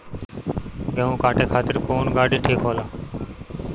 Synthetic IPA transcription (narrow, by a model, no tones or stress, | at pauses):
ɡẽɦũːkaːʈeːkʰaːt̪ɪɾkoːnɡaːɖĩːʈʰeːkʰɦoːlaː